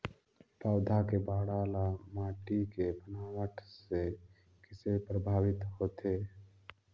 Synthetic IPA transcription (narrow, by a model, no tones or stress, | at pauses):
paːd̪ʱakebaːɽaːlamaːʈikebʱənaːwəʈʰse | kɪsepɾəbʱaːʋɪt̪ɦoːt̪eː